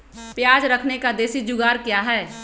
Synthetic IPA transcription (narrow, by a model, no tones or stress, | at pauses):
pjaːd͡ʒɾəkʰnekad̪eːsid͡ʒʊɡaːɾkjaːɦɛː